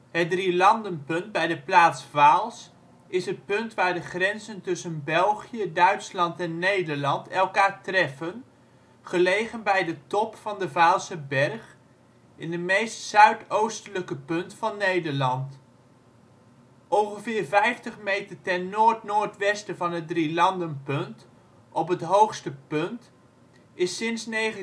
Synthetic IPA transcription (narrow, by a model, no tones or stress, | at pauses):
ɦət̚drilɑndənpɵnd̚bɛjdəplaːtsvaːlˠs | ɪsət̚pɵntʋaːɹdəχrɛnzəntɵsənbɛlˠχijədœɥtslɑntɛnːejdəɹlɑntɛlˠkaːɹtrɛfən | χəlejχənbɛjdətɔpfɑndəvaːlˠsəbɛrχ | ɪndəmejstsœɥtowstələkəpɵntfɑnːejdəɹlɑnt | ʔɔŋχəvɪːɹvɛjftəχmejtəɹtɛnnoːɹtnoːɹtʋɛstəvɑnədrilɑndənpɵnt | ʔɔpɦətɦowχstəpɵnt | ɪsɪnsneχə